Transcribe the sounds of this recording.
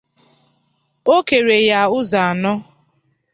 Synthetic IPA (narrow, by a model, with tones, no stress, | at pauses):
o˦ke˨ɾe˨ja˨ʊ˦za˨a˨nɔ˦